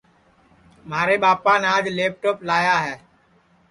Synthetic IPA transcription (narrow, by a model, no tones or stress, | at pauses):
maːɾeːɓaːpãːnaːd͡ʒleːp̚ʈoːplaːjaːɦɛː